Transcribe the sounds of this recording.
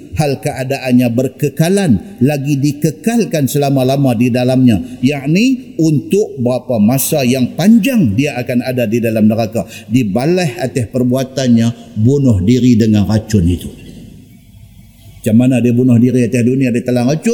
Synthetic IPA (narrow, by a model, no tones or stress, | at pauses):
halkəʔadaʔanɲabərkəkalanlaɡidikəkalkansəlamalamadidalamɲajaʔniunt̪ʊk̚bəɾapamasajaŋpaɲd͡ʒaŋdiaʔːkanadadidalamnəɾakadibalɛhat̪ɛhpərbuat̪anɲabunʊhdiɾidəŋanɾat͡ʃʊnit̪u | mat͡ʃamːanadiabunʊhdiɾiat̪ɛhduniadiat̪alaŋɾat͡ʃʊn